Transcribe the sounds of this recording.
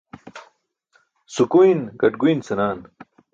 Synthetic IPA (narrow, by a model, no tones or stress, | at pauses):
sukuinɡɐʈɡujnsɐnaːn